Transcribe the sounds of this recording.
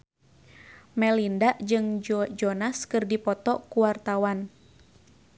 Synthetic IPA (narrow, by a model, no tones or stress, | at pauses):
mɛlindaʔd͡ʒɨŋd͡ʒɔnaskɨrdipɔt̪ɔkuwart̪awan